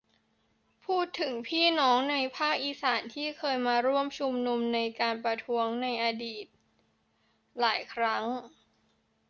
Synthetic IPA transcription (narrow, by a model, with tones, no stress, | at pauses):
pʰuː˥˩t̪ʰːɯ˨˩˦ŋpʰiː˥˩nɔː˦˥ŋna˧jpʰaː˥˩k̚ʔiː˧saː˩˦nt̪ʰiː˥˩kʰɤː˧jmaː˧ɾu˥˩əmt͡ɕʰu˧mnu˧mna˧jkaː˧npɾa˧t̪ʰu˦˥əŋna˧jʔa˧diː˨˩t̪̚ | laː˩˦jkʰɾa˦˥ŋ